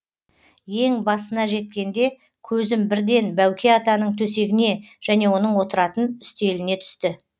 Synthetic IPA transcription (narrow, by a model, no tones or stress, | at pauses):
je̞ŋbɑsənɑʒe̞t̪̚kʲe̞nd̪e̞ | kʲʰɵzɪmbɪɾd̪e̞nbæwkʲʰe̞ɑt̪ɑnəɴt̪ʰɵs̬e̞ɡʲɪne̞ʒ̥æne̞wo̞nəɴwo̞t̪əɾɑt̪ənʏst̪e̞lɪne̞t̪ʰʏ̥st̪ɪ